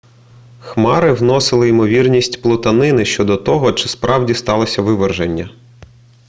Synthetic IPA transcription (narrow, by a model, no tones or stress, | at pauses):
xmɑɾɪwnɔsɪlˠɪimɔʋʲirnʲisʲtʲplˠɔt̪ɐnɪnɪʃt͡ʃɔd̪ɔt̪ɔɦɔt͡ʃɪspɾɑwdʲist̪ɑlˠɔsʲɐʋɪʋerʒenʲːɐ